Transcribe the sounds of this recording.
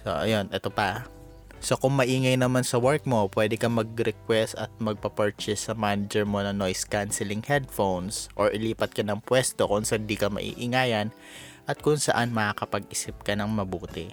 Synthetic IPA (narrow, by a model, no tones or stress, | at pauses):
so̰ʔɐ̰jo̞nʔɛt̪o̞pɐ | so̞kʊŋmɐʔiːŋɐjnɐmansɐwɛɹk̚mo̞pwɛːd̪ɛkɐmɐɡ̚ɾɛkwɛst̪ɐt̪̚mɐɡ̚pɐpɛɹt͡ʃɛsːɐmaːnɪd͡ʒɛɹmo̞nɐŋnojskansɛlɪŋhɛd̪̚fownsʔoɹʔɪliːpɐt̪̚kɐnɐŋpwɛst̪o̞kʊŋsɐʔand̪ikɐmɐ̰ʔḭːʔɪŋaːjɐn | ʔɐt̪̚kʊŋsɐʔanmɐakɐpɐɡ̚ɪsɪp̚kɐnɐŋmɐbuːt̪ɪ